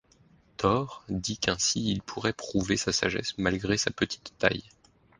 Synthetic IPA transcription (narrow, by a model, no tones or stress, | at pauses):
t̪ʰɔʁd̪ikɛ̃siilpʰuʁɛpχuvesasa̰ʒɛ̰smalɡʁesapət̪ʰi̥t̪ːa̰j